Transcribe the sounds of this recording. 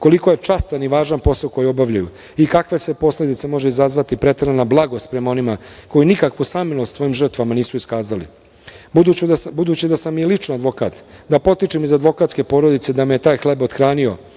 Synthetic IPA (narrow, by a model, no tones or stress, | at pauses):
ko̞liko̞je̞t͡ʂast̪aniʋaːʒanpo̞sako̞jio̞baʋʎajṵ | ikakʋe̞sepo̞sled̪it̪se̞mo̞ʒeizazʋat̪ipɾe̞t̪eɾanablˠaɡost̪pɾe̞mao̞nimako̞jinikakʋusamilost̪ʋo̞jimʒr̩t̪ʋamaniːsuiskaːzalḭ | bud̪uubud̪uːt͡ɕid̪asamːijelit͡ʂnad̪ʋo̞kaːt̪d̪apo̞t̪it͡ʃimizad̪ʋo̞kat̪ske̞po̞ːɾod̪it̪se̞d̪amejet̪aːjxle̞bot̪xɾaːnio̞̰